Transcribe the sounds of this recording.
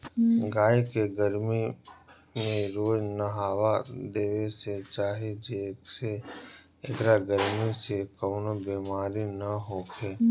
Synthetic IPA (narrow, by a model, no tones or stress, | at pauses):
ɡaːekeɡəɾmi | mẽɾoːd͡ʒnəɦaːʋad̪eːʋeset͡ʃaːɦed͡ʒeːkse | ekɾaɡəɾmisekəːnobeːmaːɾinɐɦoːkʰeː